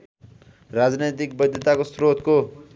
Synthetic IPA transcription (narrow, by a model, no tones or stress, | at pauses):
rad͡znejt̪ik̚bʌd̪ʱjʌt̪akosrot̪ko